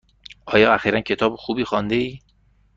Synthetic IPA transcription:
ʔɒːjɒːæxiːɾæncʰe̞t̪ʰɒːbxuːbiːxɒːnd̪eiː

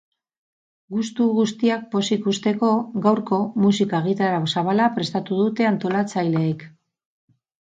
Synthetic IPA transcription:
ɡust̪uɣust̪iak̚po̞sikust̪e̞ko̞ɡawɾko̞musikaeɣ̞it̪aɾaosaβalapɾe̞st̪at̪uðut̪e̞ant̪o̞lat͡sajleːk

